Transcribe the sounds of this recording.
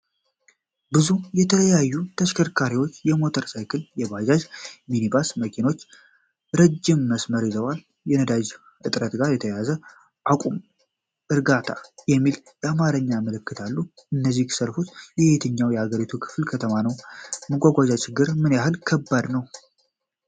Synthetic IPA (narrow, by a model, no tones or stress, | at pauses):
bɨzujɛt̪ʰələjajːut̪ʰəʃkʰəɾkʰaɾiwo̞t͡ʃːjɛmo̞t̪ʰəɾsajkʰɨljɛbad͡ʒaʒminibasməkʰino̞t͡ʃː | ɾəd͡ʒːɪmːəsməɾizəwal | jɛnəd̪ad͡ʒ | ʔɨt̪ʼɾət̪ɡaɾjɛt̪ʰəjazə | ʔakʼum | ʔɨɾɡat̪ʰajɛmːiljɛamaɾəɲːaməlɨkːɨt̪ʰalːuɨnːəzːikʰɨ̥səɾfut̪jɛet̪ʰɨɲːawjɛhaɡəɾit̪ʰukʰɨ̥flkʰət̪ʰəmanəwməɡʷaɡʷad͡ʒat͡ʃʰɪɡːɨɾmɨnjaɦɨlkʰəbːad̪nəw